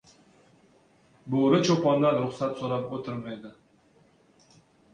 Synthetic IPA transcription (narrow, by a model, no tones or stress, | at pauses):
boɾɪt͡ʃʰopɒnlaɾɾʊχsat̪soɾɑpot̪ʰɪɾmajd̪ɪ